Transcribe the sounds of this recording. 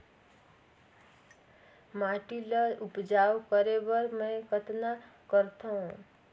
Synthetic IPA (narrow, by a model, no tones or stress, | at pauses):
maʈiləupd͡ʒawkəɾebʌɾmə̃jkət̪nakəɾt̪ʰəũ